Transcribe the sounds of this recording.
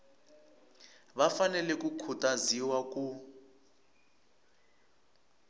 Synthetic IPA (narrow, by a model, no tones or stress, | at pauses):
βafanɛlɛkukʰutʼaziwak̬ʼu